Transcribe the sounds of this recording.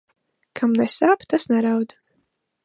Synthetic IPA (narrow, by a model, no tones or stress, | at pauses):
kʰamnɛsaːpt̪asnɛɾawd̪